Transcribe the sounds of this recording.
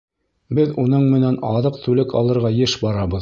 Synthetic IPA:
bɘðunɤɴmɘ̆nænɑðɤq̚t̪ʉlɘkɑ̰lˠɤ̆ɾʁɑjɘʃbɑɾɑbɤ̆ð

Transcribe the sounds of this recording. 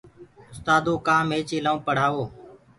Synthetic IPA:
ʊst̪aːd̪oːkãːmeːt͡ʃeːlaːũːpəɽ̤aːʋoː

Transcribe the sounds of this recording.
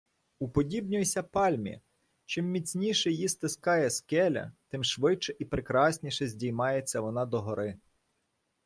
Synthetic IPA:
upɔdʲibnʲʊjsʲɐpɑlʲmʲḭ | t͡ʃɪmːʲit͡sʲnʲiʃɛjist̪ɪskɑjɛskɛlʲɐ̰t̪ɪmʃʋɪt͡ʃɛʔipɾekɾɑsʲnʲiʃɛzʲdʲijmɑjet͡sʲːɐʋɔnɑd̪ɔɦɔɾɪ

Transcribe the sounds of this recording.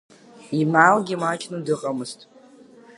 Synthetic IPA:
imalɡʲimat͡ʃʼnudɨqʼamɨztʼ

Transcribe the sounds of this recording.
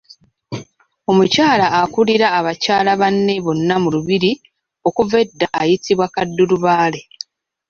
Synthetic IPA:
o̞mucaːlaːkuliɾaːβacaːlaβanːe̞βo̞nːamuluβiɾi | o̞kuve̞dːaʔːjitiβwakadːuɾuβaːle̞

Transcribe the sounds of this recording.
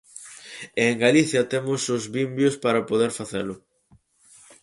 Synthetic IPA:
eŋɡaliθjɐt̪emʊsʊzβimbjʊspaɾɐpoðeɾfaθelʊ

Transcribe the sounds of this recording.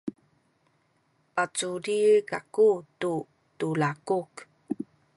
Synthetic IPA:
pat͡suɾikakutu | tulakuk

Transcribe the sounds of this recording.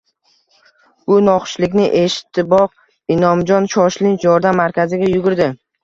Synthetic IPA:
b̥ʊnɒqʃlɪkʲnɪʔe̞ʃɪ̥t̪ʰːɪbɒq̚ | ɪnɒmd͡ʒɒnʃɒʃlɪnt͡ʃjɒɾd̪amːaɾkʲazɪɡʲajʊɡʊɾd̪ɪ

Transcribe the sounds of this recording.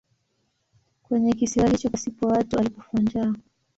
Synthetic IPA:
kwɛɲɛk̬isiwalit͡ʃɔpasipɔwatualipɔfand͡ʒaː

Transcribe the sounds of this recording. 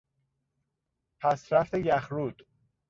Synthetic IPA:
pʰæsɾæft̪ejæxɾuːd̪̥

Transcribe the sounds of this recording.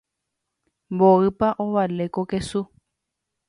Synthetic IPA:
mboɨpaʔoʋalekokesu

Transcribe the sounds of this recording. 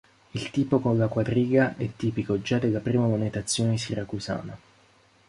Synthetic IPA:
ilt̪iːpokonlːakwad̪ɾiːɡaʔɛt̪ːiːpikod͡ʒad̪elːapɾiːmamonet̪at̪sːjoːnesirakusa̰ːna

